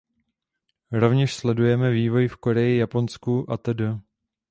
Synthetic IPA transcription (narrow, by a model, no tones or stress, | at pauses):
ɾo̞vɲɛʃslɛdujɛmɛviːvo̞jfko̞ɾɛjɪjapo̞nskuʔat̪ədə